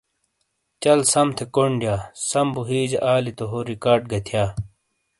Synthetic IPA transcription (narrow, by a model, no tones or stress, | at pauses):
t͡ɕɐlsɐmt̪ʰekoɳɖjaːsɐmbuɦiːd͡ʑeʔaːlit̪oɦoɾikaːɖ̚ɡɐt̪ʰjaː